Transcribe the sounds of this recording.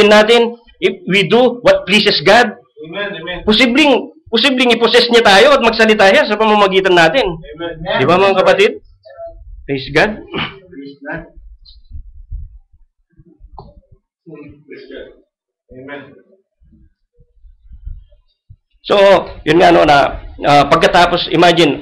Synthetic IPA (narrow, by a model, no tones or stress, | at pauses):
ɪnːaːt̪ɪn | ʔɪwid̪uwɐt̪̚plisɛsɡad̪̚ | posiblɪŋposiblɪŋɪposɛsɲat̪aːjo̞ɐt̪̚mɐɡ̚sɐlɪt̪aːʃasɐpɐmɐmɐɡiːt̪ɐnːaːt̪ɪnd̪ɪbamɐŋkɐpɐt̪ɪd̪̚ | plisɡad̪̚ | sojʔʊnŋanonɐʔapɐɡ̚kɐt̪aːposɪ̰maːd͡ʒɪn